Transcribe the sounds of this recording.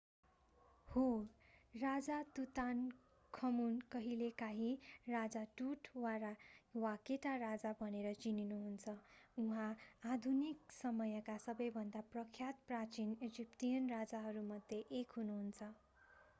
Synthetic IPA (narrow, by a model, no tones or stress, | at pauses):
ho | rad͡zat̪ut̪an | kʰʌmunkʌɦilekaɦĩrad͡zaʈuʈwaɾawakeʈarad͡zabʱʌneɾʌt͡sininuɦunt͡sʰʌuɦãːd̪ʱuniksʌmʌjʌkasʌbʌjbʱʌnd̪aprʌkʰjat̪prat͡sined͡zipʈijʌnrad͡zaɦʌɾumʌd̪ʱjeʔekɦunuɦunt͡sʰʌ